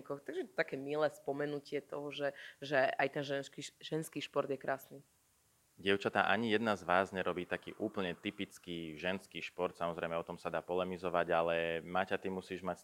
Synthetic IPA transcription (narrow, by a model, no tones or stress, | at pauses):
kɔxt̪aɡʒɛt̪akɛːmilɛːspɔmɛnucɪɛt̪ɔɦɔʒɛʒɛajt̪ɛnʒɛkiʒɛnskiːʃpɔɾd̪jɛkɾʔaːsni | ɟɪɛʊt͡ʃat̪a̰ʔaɲijɛd̪nazʋaːzɲɛɾɔbiːt̪akḭːʔuːpl̩ɲɛt̪ipit͡skiːʒɛnskiːʃpɔɾt̪samɔzɾɛɪmɛɔt̪ɔmsad̪aːpɔlɛmizɔʋaɟalɛmaːcat̪imusiːʒmacs